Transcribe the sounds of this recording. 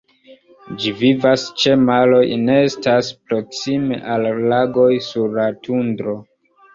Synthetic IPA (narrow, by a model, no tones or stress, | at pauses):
d͡ʒivivast͡ʃe̞malo̞jne̞estaspɾo̞ksimḛʔalːaɡo̞jsuɾlatundɾo̞